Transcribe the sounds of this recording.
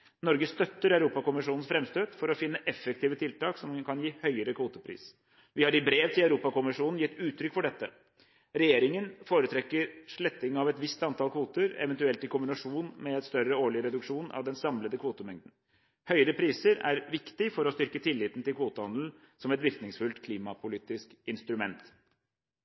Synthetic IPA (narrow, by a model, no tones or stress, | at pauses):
nɔɾɡəst̪œt̪ːəɾœʉɾuːpɑkʊmɪʂuːnn̩sfɾɛmst̪øːd̪fɔɾɔfɪnːəʔɛfːɛk̚t̪ʰiːʋət̪ʰɪlt̪ɑːksɔmkʰɑnjiːhœʏəɾəkʰʋuːt̪əpʰɾḭːs | ʋɪhɑɾɪbɾeːʋt̪ʰɪlœʉɾuːpɑkʊmɪʂuːnn̩jɪt̪ːʉːt̪ʰːɾʏkːfɔɖɛt̪ːə | ɾɛjeːɾɪŋənfoːɾət̪ʰɾɛkːəɾʂɭɛt̪ːɪŋɑʋɛt̪ʋɪst̪ɑnt̪ʰɑlkʰʋuːt̪əɾɛ̰ʋɛnt̪ʉɛlt̪ɪkʊmbɪnɑʂuːnmɛɛt̪st̪œrəoːɭɪəɾɛd̪ʉkʂuːnʔɑ̰ʋd̪ɛnsɑmləd̪əkʰʋuːt̪əmɛŋd̪ən̩ | hœʏəɾəpʰɾiːsəɾæɾʋɪkt̪ɪfɔɾɔst̪ʏɾkət̪ʰɪlːɪːt̪n̩t̪ɪlkʰʋuːt̪əhɑnd̪l̩ | sɔmɛt̪ʋɪɾknɪŋsfʉlt̪kʰliːmɑpʰʊliːt̪ɪskɪnst̪ɾʉmɛnt̪